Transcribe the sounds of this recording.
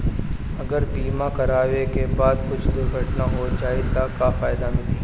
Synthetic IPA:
ɐɡəɾbiːmakɐɾaːʋekebaːd̪kʊt͡ʃʰd̪ʊɾɡʱɐʈnaɦot͡ʃaːɦit̪akafaːjd̪amɪliː

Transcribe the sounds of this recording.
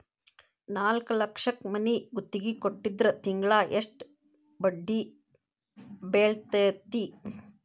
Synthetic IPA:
naːlkɐlɐkʂɐkmɐniɡut̪ːiɡikoʈːid̪ɾɐt̪iŋɡɭaːʔeʂʈ | bɐɖːi | beːɭt̪ɐjɐt̪ːi

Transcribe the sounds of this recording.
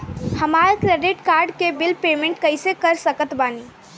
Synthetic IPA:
həmaɾəkɾeɖiʈkaɾɖkebilpemẽɳʈkəɪsekəɾsəkət̪bani

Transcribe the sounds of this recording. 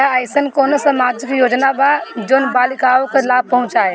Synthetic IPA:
əɪsənkonosəmad͡ʒikjod͡ʒnabad͡ʒoːnbalikaokelab̚pəɦũt͡ʃae

